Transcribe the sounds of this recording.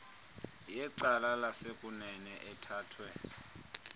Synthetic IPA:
jɛǀalalasekʼunɛnɛʔɛtʰaːtʰwɛ

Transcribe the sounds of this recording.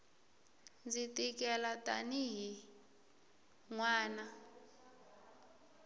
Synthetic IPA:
nd͡zitʼikɛlatʼaniɦi | ŋwaːna

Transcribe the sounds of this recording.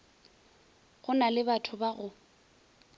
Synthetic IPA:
ɣʊnalɪbatʰʊbaɣʊ

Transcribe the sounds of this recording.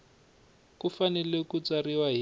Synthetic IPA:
kufanɛlɛkut͡sariwaɦi

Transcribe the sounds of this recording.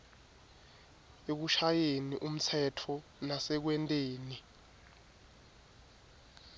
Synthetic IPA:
ek̬uʃajeniʔum̩t͡sʰɛtʰɔnasɛk̬wɛntʼeːni

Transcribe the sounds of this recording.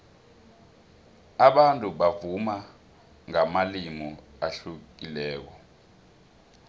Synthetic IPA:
aɓantʼuɓavuma | ŋamalimu | aɬukilɛːk̬ɔ

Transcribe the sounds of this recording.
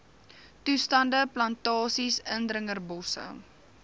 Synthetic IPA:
tustɐndəplɐntɑːsisəndrəŋərbɔsə̰

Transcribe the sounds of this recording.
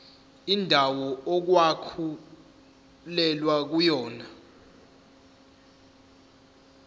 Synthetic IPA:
indʱawɔok̬wakʰu | lɛlwak̬ujɔːna

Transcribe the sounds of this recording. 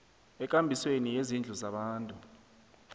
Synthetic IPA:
ɛk̬ʼambʱiswenijezind͡ɮʱuzaɓaːntʼu

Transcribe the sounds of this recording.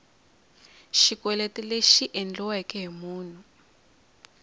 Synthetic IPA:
ʃikwɛlɛtɛleʃiʔɛnd͡ɮɔwɛkɛɦimuːn̤u

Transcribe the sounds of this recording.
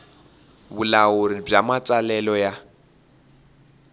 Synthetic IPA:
βulaoɾib͡ʐamat͡sʼalɛlɔja

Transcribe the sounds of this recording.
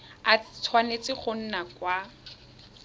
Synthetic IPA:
at͡sʰwanet͡sɪχʊn̩nakwa

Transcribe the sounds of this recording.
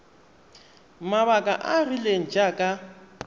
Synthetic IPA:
maβakʼa̰ʔarileŋ̩d͡ʒakʼa

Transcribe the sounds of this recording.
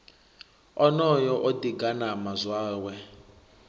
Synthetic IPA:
ɔnɔjɔʔodiɡanamazwaːwɛ

